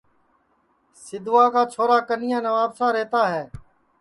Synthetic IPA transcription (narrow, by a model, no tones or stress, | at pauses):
sɪd̪ʋaːkaːt͡ʃʰoːɾaːkənɪjãːnəʋaːbsãːɾɛːt̪aːɦɛː